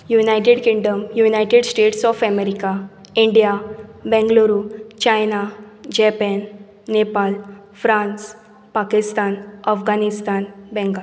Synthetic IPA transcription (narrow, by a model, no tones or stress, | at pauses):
junajʈeɽkĩŋɖəmjunajʈeɽsʈeʈsɔfɛmeɾika | iɳɖijabɛ̃ŋɡloɾut͡ɕajnad͡ʑɛpɛnː | epal | fɾãns | pakist̪anəfɡanist̪anbɛ̃ŋɡa